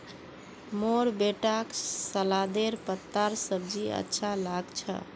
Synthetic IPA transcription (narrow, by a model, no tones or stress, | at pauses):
moɾbeʈaksəlad̪eɾpət̪ːaɾsəb̚d͡ʒiə̰tːʃʰalaɡt͡ʃʰə̰